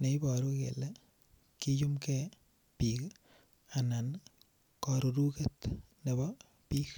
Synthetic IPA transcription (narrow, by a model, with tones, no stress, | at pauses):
ne˨jbɔ˨ɾu˦kḛ˨le˦ | ki˦ju˦mke˦ | pi˨k | a˨na˨n | kɔ˨ɾu˨ɾu˦ke˦t̪ne˨bɔ˦ | pi˦k